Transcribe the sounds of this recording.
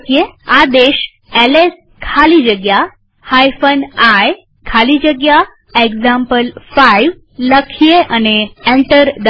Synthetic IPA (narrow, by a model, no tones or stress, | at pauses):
kjead̪eʃ | eles | kʰalid͡ʒəɡja | hajfənaj | kʰalid͡ʒəɡja | eɡzampəlfajʋ | ləkʰijeʔəneẽɳʈəɾd̪